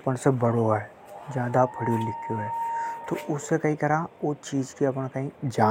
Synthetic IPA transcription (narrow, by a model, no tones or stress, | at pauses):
pəɳsebɐɽoɛ | d͡ʒjaːd̪apʰɐɽijolɪkʰjoɦɛːt̪oʔʊsːekɐĩkɐɾaʊt͡ʃiːd͡ʒkiɐpəɽ̃kɐɦĩd͡ʒaː